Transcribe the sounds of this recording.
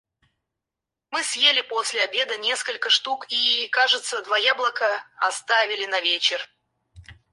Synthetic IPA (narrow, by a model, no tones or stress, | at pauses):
mɨsʲjelʲɪposʲlʲɪɐbʲe̞d̪ənʲe̞skəlʲkəʂt̪ukikaʐɨt̪səd̪vajablˠəkəɐst̪avʲɪlʲɪnɐvʲet͡ɕɪr